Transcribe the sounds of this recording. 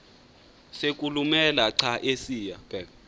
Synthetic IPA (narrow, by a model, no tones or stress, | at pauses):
sek̬ʼulumɛlaǀʰaʔesiːjab̥ɛ